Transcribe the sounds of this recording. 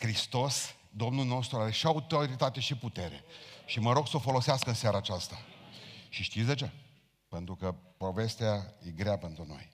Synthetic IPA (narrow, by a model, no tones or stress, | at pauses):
kɾist̪o̞s | d̪o̞mnulno̞st̪ɾuaɾe̞ʃiaut̪o̞ɾit̪at̪e̞ʃiput̪e̞ɾe̞̰ʃiməɾo̞ɡsəofo̞lo̞seaskəɨnseaɾaːt͡ʃast̪a | ʃiʃt̪it̪sʲd̪e̞t͡ʃe̞ | pe̞nt̪ɾukəpo̞ve̞st̪eajeɡɾeape̞nt̪ɾuno̞̰j